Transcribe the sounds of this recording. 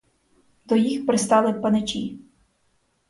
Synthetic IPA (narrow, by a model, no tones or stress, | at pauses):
d̪ɔjixpɾɪst̪ɑlˠɪpɐnet͡ʃʲi